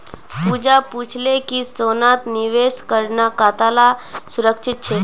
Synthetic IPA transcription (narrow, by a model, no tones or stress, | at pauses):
pud͡ʒaput͡ʃʰlekisonat̪niʋeskəɾɳakat̪alasuɾəkʃit̪̚t͡ʃʰe